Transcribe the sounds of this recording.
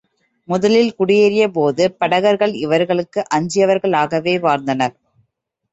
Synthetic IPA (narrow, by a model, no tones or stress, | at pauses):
mʊðɐlɪlkʊɽɪjeɾɪjɐp̬oːðɯpɐɽɐɣɐɾɣɐɭɪʋɐɾɣɐɭɯkːɯʔɐɲd͡ʒɪjɐʋɐɾɣɐɭaːɣɐʋeːʋaːɾnd̪ɐnɐɾ